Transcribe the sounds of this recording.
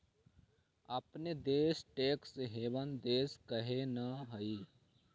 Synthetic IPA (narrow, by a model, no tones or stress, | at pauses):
ɐpned̪eːsʈeːkseɦeːʋənd̪eːskəɦenəɦɐi